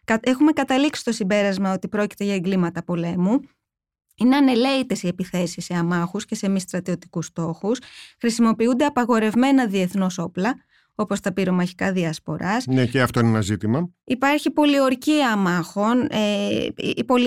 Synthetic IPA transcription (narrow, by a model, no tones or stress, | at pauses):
kɐe̞xume̞kɐt̪ɐliksi̥st̪o̞simbe̞ɾɐzmɐo̞t̪ipɾo̞ci̥t̪e̞ʝɐeŋɡlimɐt̪ɐpo̞le̞mu | ine̞ɐne̞le̞it̪e̞sie̞piθe̞sisːeɐmɐxusce̞se̞mist̪ɾɐt̪io̞t̪i̥kust̪o̞xusxɾisimo̞piund̪e̞ɐpɐɣo̞ɾe̞vme̞nɐðie̞θno̞so̞plɐ | o̞po̞st̪ɐpiɾo̞mɐçi̥kɐðiɐspo̞ɾɐsneceɐft̪o̞inenɐzit̪imɐipɐɾçipo̞lio̞ɾciɐmɐxo̞nḛ | po̞l